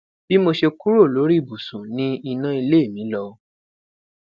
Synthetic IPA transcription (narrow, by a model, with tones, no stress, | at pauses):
b̥i˦mo˧ʃe˧ku˦ɾo˦˨lo˨˦ɾi˦˨bu˨sũ˨nĩ˦i˧nã˦i˧le˦e˦˨mĩ˨˦lɔ˧˦